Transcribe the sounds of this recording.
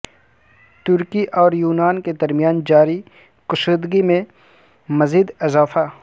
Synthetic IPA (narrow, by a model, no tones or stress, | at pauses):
t̪ʊɾkiʔɔːɾjuːnaːnked̪ɐɾmɪjaːnd͡ʒaːɾi | kʊʃʊd̪ɡimẽ | mɐziːd̪ɪzaːfa